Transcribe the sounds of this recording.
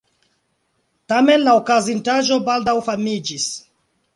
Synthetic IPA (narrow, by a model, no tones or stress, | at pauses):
tamenlaokazintaʒobaldawfamid͡ʒis